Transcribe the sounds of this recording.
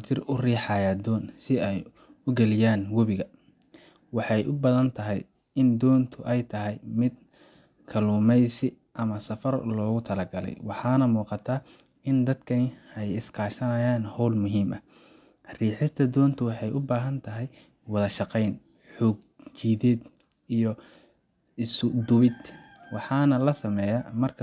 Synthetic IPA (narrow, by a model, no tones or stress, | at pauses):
t̪ʰɪrʊriːħɑjaːd̪ɔːnsɪɛj | ʊɡɛlɪjaːnwɔβɪɣɐ | wɑħɑjʔʊbɐðɐnt̪ʰɐɦɛj | ɪnd̪ɔːnt̪ʰʊʔɛjt̪ʰɐɦɛjmɪd̪̚ | kʰɐluːmɛjsɪ | ʔɐmɐsɐfɐrlɔːɣʊt̪ʰɐlɐɡɐlɛ̰jwɑħɑːnɐmuːqɑt̪ʰaː | ɪnd̪ɐd̪kʰɐnɪɛjɪskʰaːʃɐnɐjaːnhɔwlmʊɦiːmʔɐ | riːħɪst̪ʰɐd̪ɔːnt̪ʰʊwɑħɑjʔʊbaːɦɐnt̪ʰɐɦɛj | wɑðɐʃɑqɛjn | ħɔːɡ̚ | t͡ʃiːðɛːd̪ | ijɔ | ɪsʊd̪ʊβɪd̪ | wɑħɑːnɐlɐsɐmɛːjamɐrkʰ